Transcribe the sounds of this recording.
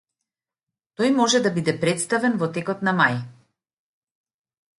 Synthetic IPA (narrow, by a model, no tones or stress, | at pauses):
t̪ɔjmɔʒɛd̪abid̪ɛpɾɛt̪st̪avɛnvɔt̪ɛkɔt̪namaj